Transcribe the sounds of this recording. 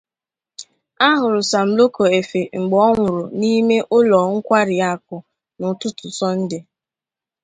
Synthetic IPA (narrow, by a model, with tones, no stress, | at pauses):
a˦ɦʊ˨ɾʊ˨sa˨m̩˨lo˦ko˨e˨fe˨ŋ͡m̩˨ɡ͡bɔ˦ŋʷʊ˨ɾʊ˨ni˦me˦ʔʊ˦lɔ˨ŋ̩˦kʷa˦ɾɪ˨a˦˨k̚ʊ˨ | nʊ˨tʊ˦tʊ˨sɔ˦n̩˦dɪ˨